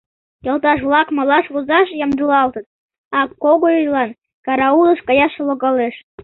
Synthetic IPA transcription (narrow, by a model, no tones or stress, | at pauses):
jɤ̆lˠt̪ɑʃ̬βlˠɑkmɑlˠɑʃβuzɑʃjɑmd̪ulɑlt̪ə̆t̪̚ | ɑkoɣojyjlɑn | kɑɾɑulˠə̆ʃkɑjɑʃeloɣɑleʃ